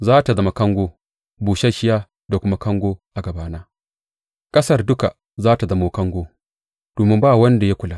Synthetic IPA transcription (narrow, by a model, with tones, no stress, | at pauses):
zaː˦ta˨zɐ˦ma˨kɐ˦ŋɡʷoː˦ | buː˨ʃɐ˦ʃɪ˦jaː˦ | da˨kʷʊ˦ma˦kɐ˦ŋɡʷoː˦ʔa˨ɡɐ˨baː˦naː˦ | kʼɐ˦sɐ˦rdʊ˦ka̰˨ | zaː˦ta˨zɐ˦moː˦kɐ˦ŋɡʷoː˦ | d̥oː˨mɪ˦mbaː˦wɐ˦nda˨ja˦kʷʊ˨laː˦˨